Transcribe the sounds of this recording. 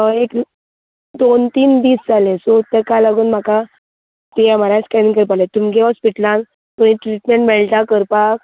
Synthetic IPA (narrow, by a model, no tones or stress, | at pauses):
əek | d̪ont̪iːnd̪iːsd͡zalẽsot̪əɾkalaɡuːnm̤aka | t̪eamaɾãskɛniŋkəɾpalẽt̪umiɡeɔspiʈlãn | pəɳ̃iʈɾiʈmẽɳʈmɛɭʈ̪akəɾpak